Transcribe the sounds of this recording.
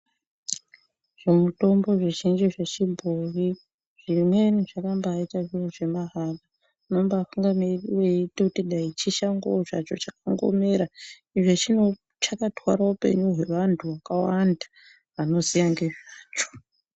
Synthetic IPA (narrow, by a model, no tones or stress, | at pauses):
ʐ̥e̞muto̞mbo̞ʐeʒind͡ʒiʐet͡ʃibʱuri | ʐ̥imwe̞niʐakambːitaʐioʐe̞maɦaɡa | no̞mbaafuŋɡamirreitoutiɗait͡ʃiʃaŋɡo̰ʐat͡ʃo̞t͡ʃakaŋɡo̞̰me̞ɾa | iʐe̞t͡ʃino | t͡ʃakatwaɾaupe̞̰ɲuɦe̞ʋantʰuʋakawanda | ʋano̞zijaŋɡe̞ʐaːt͡ʃo̥